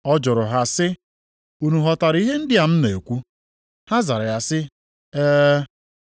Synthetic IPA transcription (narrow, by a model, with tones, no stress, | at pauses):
ɔ˦d͡ʒʊ˨ɾʊ˨ɦa˨sɪ˦ | u˨nu˨ɦɔ˨ta˨ɾi˦ɦe˦n̩˦dɪ˦a˨m̩˦ne˨e˨kʷu˦ | ha˦za˨ɾa˨ja˨sɪ˦ | eː˦